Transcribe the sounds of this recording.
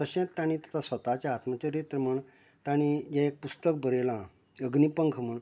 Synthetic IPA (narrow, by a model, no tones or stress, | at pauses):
t̪əɕẽt̪ːaɽ̃ĩt̪ḁt̪ʰasʋət̪at͡ɕaːt̪mat͡ɕaɾet̪ɾəməɳ | t̪aɽ̃ijãek̚pust̪ək̚bəɾelã | əɡnipəŋkʰməɳ